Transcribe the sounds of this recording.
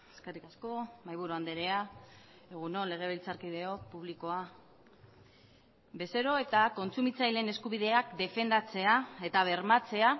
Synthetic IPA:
eskerikasko̞majβuɾoand̪eɾe̞a | e̞ɣ̞uno̞le̞ɣ̞e̞βilt͡saɾkið̞e̞opuβ̞liko̞a | be̞seɾo̞e̞t̪ako̞nt͡sumit͡sajle̞ne̞skuβ̞iðe̞akd̪e̞fe̞nd̪at͡se̞ae̞t̪aβ̞e̞ɾmat͡se̞a

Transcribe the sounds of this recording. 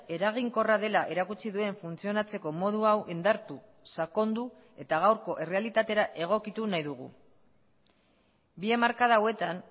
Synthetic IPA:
e̞ɾaɣ̞iŋko̞raðe̞laʔe̞ɾakut͡siðue̞ɱfunt͡sio̞nat͡se̞ko̞mo̞ð̞uawʔind̪aɾt̪u | sako̞nd̪u | e̞t̪aɣ̞awɾko̞ʔe̞re̞alit̪at̪e̞ɾaʔe̞ɣ̞o̞kit̪unajðuɣ̞ṵ | biemaɾkaðaowe̞t̪an

